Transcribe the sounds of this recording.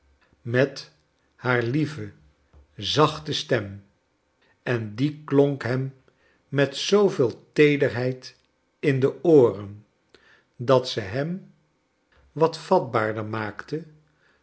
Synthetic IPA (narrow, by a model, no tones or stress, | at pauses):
mɛt | haːɹlivə | zɑχtəstɛm | ɛndikloŋkɦɛmː | ɛtsowveːlˠtejdəɹɦɛjt | ɪndəoːrən | dɑtsəɦɛm | ʋɑtfɑd̚baːɹdəɹmaːktə